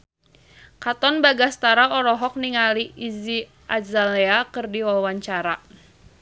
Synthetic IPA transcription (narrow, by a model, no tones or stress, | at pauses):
kat̪ɔnbaɡast̪aɾaɔɾɔɦɔk̚niŋaliizi | ʔazaleakɨrdiwawaɲt͡ʃaɾa